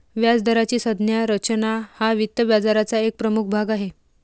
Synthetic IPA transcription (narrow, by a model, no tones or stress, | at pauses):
ʋjad͡zd̪ʱəɾat͡ɕiːsəd̪njaɾət͡ɕnahaʋit̪ːəbjad͡zaɾat͡saek̚pɾəmuk̚ʰbʱaɡaɦe